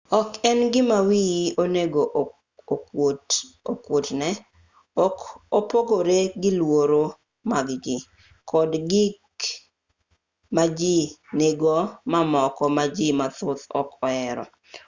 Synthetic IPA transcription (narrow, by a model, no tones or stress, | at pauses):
ɔkɛnɡɪmawijoneɡo | tokwotnɛ | kopoɡoɾeɡɪlwoɾo | maɡɡɪ | kʰɔdɡik | mad͡ʒineɡɔmamɔkɔmad͡ʒimat̪ʊt̪ɔkɔɛɾɔ̰